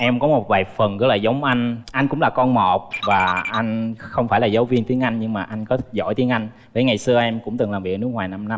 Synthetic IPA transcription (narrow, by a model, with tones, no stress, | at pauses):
ʔɛ˧mkɔ˨˦mo˨˩t̚vaː˨˩jfə˨˩nkɨ̰˨˦˥laː˨˩zə˨˦wŋ͡mʔa˧jŋ̟ʔa˧jŋ̟kʊ̰˧˥ŋ͡mlaː˨˩kɔ˧nmɔ˨˩t̚vaː˨˩ʔa˧jŋ̟xə˧wŋ͡mfaː˧˩jlaː˨˩zə˨˦wvi˧ənt̪i˨˦əŋʔa˧jŋːɲɨ˧ŋmaː˨˩ʔa˧jŋ̟kɔ˨˦zɔ̰˧˩jt̪i˨˦əŋʔa˧jŋ̟ | vəː˨˦jŋa˨˩jsɨ˧əʔɛ˧mkʊ̰˧˥ŋ͡mt̪ɨ˨˩ŋlaː˨˩vi˨˩k̚nɨ˦˥ək̚waː˨˩jna˧mna˧m